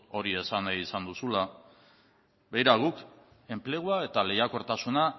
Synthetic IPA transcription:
o̞ɾie̞sanajisand̪usula | be̞jɾaɣ̞uk | e̞mple̞ɣ̞uae̞t̪ale̞jako̞ɾt̪asuna

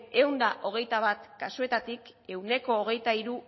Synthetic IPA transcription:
e̞wnd̪aʔo̞ɣ̞e̞jt̪aβ̞at̪kasue̞t̪at̪ik | e̞wne̞ko̞ːɣ̞e̞jt̪aiɾu

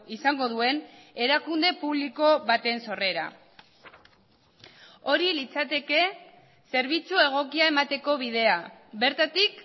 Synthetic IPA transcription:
isaŋɡo̞ðue̞ne̞ɾakund̪e̞puβliko̞βat̪e̞nso̞re̞ɾa̰ | o̞ɾilit͡sat̪e̞ke̞ | se̞ɾβ̞it͡sue̞ɣ̞o̞kiae̞mat̪e̞ko̞β̞iðe̞aβe̞ɾt̪at̪ik

